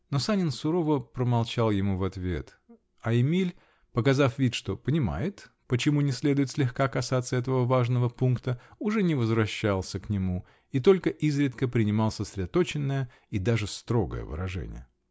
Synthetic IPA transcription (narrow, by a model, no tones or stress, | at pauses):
no̞sanʲɪnsʊɾo̞vəpɾəmɐlˠt͡ɕalˠjɪmuvɐt̪vʲe̞̰t̪ | ɐɪmʲilʲ | pəkɐzafvʲit̪ʂt̪o̞pənʲɪma̰jɪt̪ | pət͡ɕɪmunʲɪsʲlʲe̞d̪ʊjɪt̪sʲlʲɪxkakɐsat̪səɛt̪əvəvaʐnəvəpunkt̪əʊʐɛnʲɪvəzvɾɐɕːalˠsʲəknʲɪmu | it̪o̞lʲkəʔizɾʲɪt̪kəpɾʲɪnʲɪmɑlˠsəsɾʲɪd̪ɐt̪o̞t͡ɕɪnːəjə | id̪aʐɨst̪ɾo̞ɡə̰jə̰vɨ̰ɾɐ̰ʐɛ̰nʲɪ̰jə